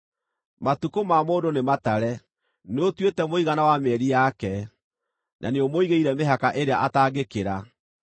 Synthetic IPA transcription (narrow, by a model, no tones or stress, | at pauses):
matukomamoːdonemataɾɛ | neotwetɛmoiɣanawamɛɾijakɛ | nʔa̰neomoiɣeiɾɛmeɦakaʔeɾeaʔataːɡekeɾa